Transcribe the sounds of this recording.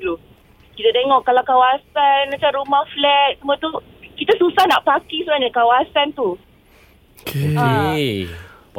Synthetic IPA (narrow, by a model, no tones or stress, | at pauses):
lu | kit̪adeŋɔʔkalawkawasanmãt͡ʃamɾumahflɛt̪̚səmũat̪u | kit̪asusahna̰ʔpakisənaɲakawasant̪u | kea